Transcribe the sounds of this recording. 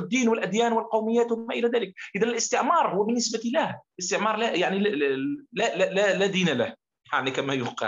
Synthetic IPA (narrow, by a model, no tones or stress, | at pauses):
ɪd̪ːiːnwɪlʔæd̪jæːnwɪlqɑwmɪjːæːt̪wamæʔɪlæðæːlɪk̚ʔɪðænɪlɪst̪ɪʕmɑːɾˤhʊwːæbɪnːɪsbat̪ilæhlɪst̪ɪʕmɑːɾˤlæjaʕni | lllælæd̪iːnalah | jaʕnikæmæjʊqɑ̰